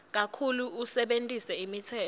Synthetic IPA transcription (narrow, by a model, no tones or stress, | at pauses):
k̬akʰuluusɛɓentʼisɛimitʰɛː